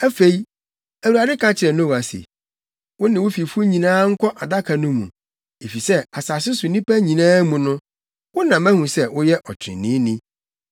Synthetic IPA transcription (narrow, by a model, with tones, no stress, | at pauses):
æ˦fe˨i˦ | æ˨wu˨a˨dɪ˦kʰã˦t͡ɕʰɪ˨ɾɛ˨nʊ̃˦wa˨sḛ˨ | wʊ̃˦nɪ̃˨wʊ˦fi˨fu˦ɲĩ˨nãː˦ŋ̩˦kʰɔ˦ʔa˨da˦kʰa˨nʊ̃˦mṵ̃˨ | e˨fi˨sɛ˦a˨saː˨sɪ˦sʊ˨nĩ˦pæ˦ɲĩ˨nãː˦mũ˨nʊ̃˦ | wʊ˦nã˨mæ̃˦hũ˨sɛ˦wʊ˦jɛ˦ʔɔ˨t͡ɕʰɪ˨ɪ̰̃˨nɪ̃˦nĩ˦